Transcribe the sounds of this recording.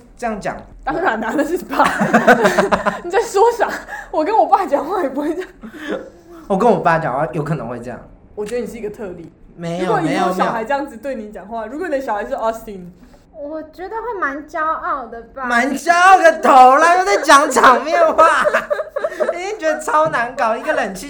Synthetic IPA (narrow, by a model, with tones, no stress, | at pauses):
ʈ͡ʂə˥˧jɑ˥˩ŋt͡ɕjɑ̰˨˩ŋ | t̪ɑ˥ŋɻa˨˦nna˧˥d̪ə˨˧ʂɻ̩˥˩˨pa˥˩ | ni˨˩t͡sa˥˩ɪʂwɔ˥ɕjɑ˨˩˦wɔ˨˩kə˥nwɔ˨˩pa˥˩t͡ɕjɑ˨˩ŋxwa˥˩jɛ˨˩p̬u˧˥xwe˥˩t͡ɕɑ˨˩ŋ | wɔ˨˩kə˦nwɔ˨˩pa˥˩t͡ɕjɑ̰˨ŋxwa˥˩jo˧˥ʊkʰɤ̰˨˩˧ŋxwe˥˧ɪʈ͡ʂɤ˥˧jɑ̰˥˩ŋ | wɔ˨˩t͡ɕɥɛ˦d̪ə˧ni˨ʂ̩˥˧˥ɡə˧t̪ʰɤ˥˧ljḭ˥˩me˧˥ɪju˥jo˨kwɔ˨˩ni˨e˧˦ɪ˨jo˨˥˨ɕjɑ˨xa˧˥ɪʈ͡ʂɤ˥˧jɑ˥˩ŋd͡zɹ̩˩t̪we˥˩ɪni˧˥t͡ɕjɑ˨˩ŋxwa˥˩ɻu˧˥kwn˨d̪ə˦ɕɑ˨˩xa˧˥ɪʂɻ̩˥˩ɔ˥st̪i˧˥˩n | wɔ˨˩t͡ɕɥɛ˧˥d̪ə˧xwe˥˩ɪma˧˦nt͡ɕjɑ˥ʊɑ˥˩ʊd̪ə˩ama˧˥nt͡ɕjɑ˥ʊɑ˥˩ʊd̪ə˨˩t̪ʰo˨˥˦la˧˦o˧˩t͡sa˥˩ɪt͡ɕjɑ˨˥˦ŋt͡ɕɑ˨˩ŋmjɛ˥˧nxwa˥˩ | i˨˩i˥˧ŋt͡ɕɥɛ˧˥d̪ə˧t͡sʰɑ˥ʊna˧˥nkɑ˨˩ʊi˧˥ɡə˧lə˨˩nt͡ɕʰi˥˨